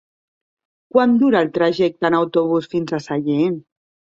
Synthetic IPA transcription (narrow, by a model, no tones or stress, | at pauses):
kwand̪uɾaːlˠt̪ɾaʒɛk̚t̪ənawt̪oβ̞usfinzasaʎen